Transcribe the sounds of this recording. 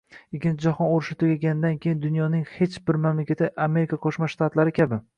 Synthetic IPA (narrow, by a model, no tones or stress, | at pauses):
ɪkʲʰːɪnt͡ʃʰɪd͡ʒahɒnoɾɪʃɪt̪ʰʊɡʲaɡʲanɪd̪ankʲʰejɪnd̪ʊnjɒnɪŋhet͡ʃbɪɾmamlakʲat̪ʰɪʔame̞ɾɪkʰaqʰoʃmaʃt̪at̪laɾɪkʲʰabɪ